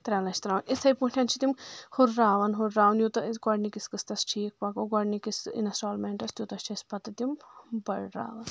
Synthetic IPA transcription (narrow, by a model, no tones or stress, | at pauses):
t̪ɾʲɐːlɐt͡ʃʰt̪ɾaːʋnit̪ʰɐjpũːʈʰʲjɐnt͡ʃʰit̪imhuɾːaːʋɐnɦuɾaːwnjut̪ɐɡɔɽnikiskɨst̪ɐst͡ʃʰiːk̚pɐkoɡɔɖnikisḭnɐsʈaːlmeɳʈɐst̪jut̪ɐst͡ʃʰɐspɐt̪ɐt̪imbɐɽɾa̰ːʋɐn